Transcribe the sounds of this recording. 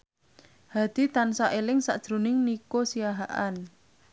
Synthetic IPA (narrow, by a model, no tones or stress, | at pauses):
had̪̥i̤t̪ansaʔelɪŋsad̥ʒ̥ɾṳnɪŋnikosijaɦaʔan